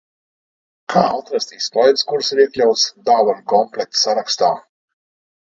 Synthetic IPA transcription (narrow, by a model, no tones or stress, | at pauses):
kʰaːat̪ɾast̪iːspɔjt̪skuɾsiɾiɛklʲawt̪sd̪aːvankɔmplɛk̚t̪saɾakst̪a̰ː